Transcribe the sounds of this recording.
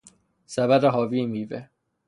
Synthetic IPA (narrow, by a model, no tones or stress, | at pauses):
sæbæɾeɦɒːviːmiːve